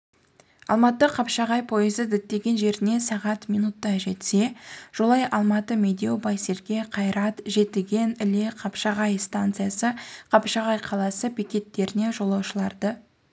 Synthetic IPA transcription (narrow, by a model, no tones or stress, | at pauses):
ɑ̰lˠmɑt̪ːəqʰɑpʃɑʁɑjpʰo̞jɪzəd̪ɪt̪ːe̞ɡʲe̞nʒe̞ɾɪne̞sɑʁɑt̪mijnut̪ːɑʒe̞t̪se̞ʒ̥olˠɑjʔɑlˠmɑt̪əmʲed̪ʲeeobɑjse̞ɾɡʲe̞qʰɑjɾɑt̪ʒe̞t̪ɪɡʲe̞nɪleqʰɑpʃɑʁɑjst̪ant̪sɨjasəqʰɑpʃɑʁɑjqʰɑlˠɑsəpikʲe̞t̪ːe̞ɾɪne̞ʒo̞lˠɑwʃəlˠɑɾd̪ə